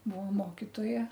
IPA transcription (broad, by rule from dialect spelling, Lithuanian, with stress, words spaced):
ˈbuɔ ˈmoːkʲɪtoːjɛ